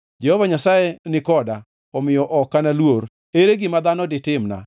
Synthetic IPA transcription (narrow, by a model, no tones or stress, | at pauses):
d͡ʒɛhɔvaɲasajɛnɪkɔda | ɔmɪjɔʔɔkːanalwoɾ | eɾeɡɪmad̪anɔdɪtɪmna̰